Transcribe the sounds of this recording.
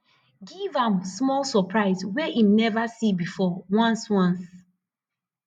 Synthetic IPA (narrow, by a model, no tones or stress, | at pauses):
ɡivãmsmɔlsɔpʰɹaɪzweʔĩmnɛvasibifɔwãnswãns